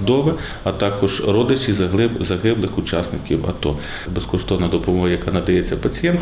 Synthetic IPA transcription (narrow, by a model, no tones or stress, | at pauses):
d̪ɔʋɛ | ɐt̪ɑkɔʒɾɔd̪ɪt͡ʃijzɐɦɪzɐɦɪblˠɪxʊt͡ʃɑsnɪkʲiwɐ̰t̪ɔ | beskɔʃt̪ɔwnɐd̪ɔpɔmɔɦɐjɐkɑnɐd̪ɐjɛt͡sʲːɐpɐt͡sʲijɛnt̪